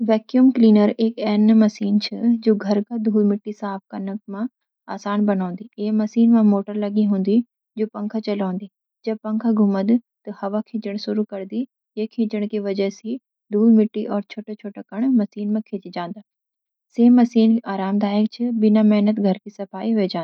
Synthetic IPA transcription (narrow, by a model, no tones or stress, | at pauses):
ʋɛːkjuːmkliːnəɾekɛːnmɐsiːnt͡ʃʰɪd͡ʒoːɡʱɐɾkad̪ʱuːlmɪʈːisaːp̚ʰkɐnəkmã | a̰ːsaːnbɐnãːnd̪ieɦmɐsiːnmãmoːʈəɾlɐɡĩɦũːnd̪i | d͡ʒoːpɐ̃ŋkʰat͡ɕɐlaːə̃nd̪i | d͡ʑɐb̚pɐ̃ŋkʰaɡʱʊməd̪t̪ɐhɐʋakʰẽːd͡ʒəɽ̃sʊɾukɐɾd̪i | ekʰẽːd͡ʒəɽ̃kiʋɐd͡ʑɛɦsi | d̪ʱuːlmɪʈːiʔɔːɾt͡ʃʰoːʈat͡ʃʰoːʈakɐɽ̃mɐsiːnmãkʰẽːt͡ʃɪd͡ʒãːnd̪aː | seːmɐsiːnaːɾaːmd̪aːjək̚t͡ɕʰɪbɪnamɛɦnət̪ɡʱɐɾkisɐfaːiɦed͡ʒãːna